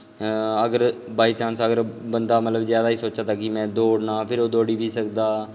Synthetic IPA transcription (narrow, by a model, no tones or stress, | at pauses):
əɡəɾbaːiːt͡ʃãːnsəɡəɾbənd̪aːmət̪ləbzjaːd̪aːiːsoːt͡ʃaːt̪aːkɪmɛ̃ːd̪oːɽnaːpʰɪɾoːd̪oːɽiːʋiːsəkd̪aː